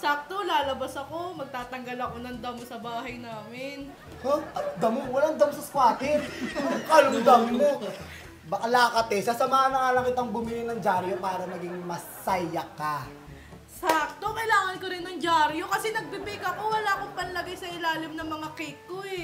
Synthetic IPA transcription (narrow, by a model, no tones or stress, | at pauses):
sak̚t̪o̞laːlɐbɐsɐko̞mɐɡ̚t̪aːt̪ɐŋɡɐlɐko̞nɐŋd̪ɐmosɐbaːɦɐjnaːmɪn | haɐd̪ɐmowɐlaŋd̪ɐmsɐskwaːt̪ɪ | kalʊmd̪aːmɪnmo̞ | bɐkɐlaːkɐt̪ɛsɐsɐmaŋanɐŋalɐkɪt̪ɐŋbʊmɪlɪŋnɐŋd͡ʒaːɾjopaːɾɐnɐɡɪŋmɐsajɐkːa | sak̚t̪o̞kɐɪlaːŋɐnkoɾɪnːɐŋd͡ʒaːɾjo̞kɐsɛnɐɡ̚bibiɡɐko̞wɐlaːkoŋpɐnlɐɡajsɐʔɪlaːlɪmnɐŋmɐŋakɛkːoɛ